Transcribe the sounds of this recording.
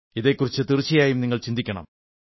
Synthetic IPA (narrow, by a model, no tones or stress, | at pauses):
iðe̞ːkːurit͡ɕːɨt̪irit͡ɕːijaːjumniŋːɐɭt͡ɕind̪ikʲːɐɳɐ̰m